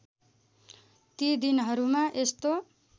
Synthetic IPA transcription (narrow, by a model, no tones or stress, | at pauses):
t̪id̪inɦʌɾumaʔest̪o